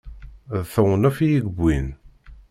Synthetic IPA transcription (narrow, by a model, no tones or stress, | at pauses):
ðθəwnæfijiɡbʷːin